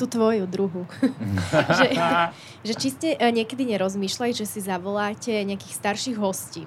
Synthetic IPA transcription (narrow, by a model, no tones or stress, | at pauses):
t̪ut̪ʋɔjud̪ɾuɦu | ʒɛ | ʒɛt͡ʃiscɛʔɲɪɛkɛd̪iɲɛɾɔzmiːʃlacʒɛsizaʋɔlaːcɛɲɛakiːxst̪aɾʃiɣɦɔscḭː